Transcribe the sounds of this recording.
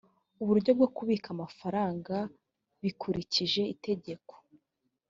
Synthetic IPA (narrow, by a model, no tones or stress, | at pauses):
uβuɾɟo̞b̚ɡokuβiːkamafaɾaːŋɡa | βikʰuɾiciʒe̞ite̞ɟe̞ko̥